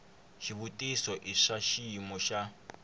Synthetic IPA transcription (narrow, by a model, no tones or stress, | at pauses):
ʃiβutʼisɔʔiʂaʃimɔʃa